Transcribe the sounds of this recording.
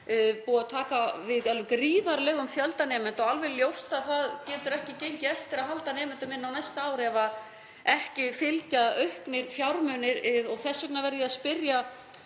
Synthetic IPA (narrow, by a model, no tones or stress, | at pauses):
puːɣaðt̪ʰaːkavɪðɛlkɾiːðaɾlɛːɣʏmfjœlt̪anɛːmɛnt̪ɔɣalvɪljowst̪aðθaðcɛːt̪ʏɾɛhcɪcejɲcɪɛft̪ɪɾaðɦalt̪anɛːmɪnt̪ʏmɪnːawnajst̪aːwɾɛvað | ɛhcɪfɪlcaœhknɪɾfjawɾmœnɪɾɪðɔɣθɛsːœknavɛɾðɪaðspɪrja